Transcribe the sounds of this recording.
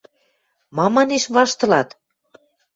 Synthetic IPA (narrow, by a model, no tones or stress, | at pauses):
mɑmɑneʃβɑʃt̪ɤ̆lɑt̪